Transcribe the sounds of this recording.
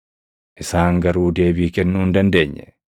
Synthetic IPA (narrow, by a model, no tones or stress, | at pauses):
ʔɪsaːŋɡɐɾuːd̪e̞ːbiːkɛnːuːnd̪ɐnd̪e̞ːɲːɛ